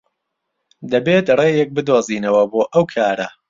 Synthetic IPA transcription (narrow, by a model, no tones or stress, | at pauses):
d̪ɐbeːt̪reːjɛk̚bɨd̪oːziːnɐwɐboːʔɐwkʰaːɾɐ